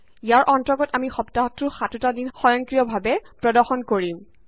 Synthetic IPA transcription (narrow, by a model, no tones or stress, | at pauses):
ijaɹʔɔntɔɡɔtamixɔptatɹʊxatutadinxɔjɔŋkɹijɔbʱabɛpɹɔdɔɹxɔnkoɹim